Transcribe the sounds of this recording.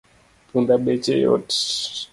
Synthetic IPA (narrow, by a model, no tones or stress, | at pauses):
pundaɓɛt͡ʃɛjɔ̰t